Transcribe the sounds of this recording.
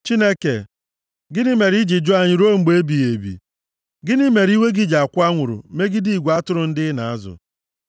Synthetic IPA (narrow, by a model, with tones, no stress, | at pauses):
t͡ʃi˦ne˦ke˨ | ɡɪ˦nɪ˦me˨ɾi˦d͡ʒi˨d͡ʒʊ˦a˦˨ɲɪ˦ɾo˦ŋ͡m̩˨ɡ͡be˦bi˨je˨bḭ˨ | ɡɪ˦nɪ˦me˨ɾi˦we˦ɡɪ˦d͡ʒa˨kʷʊ˦a˦ŋʷʊ˨ɾʊ̰˨me˦ɡɪ˦di˦i˨ɡʷa˦tʊ˦ɾʊ˨n̩˦dɪ˦na˨a˦zʊ̰˨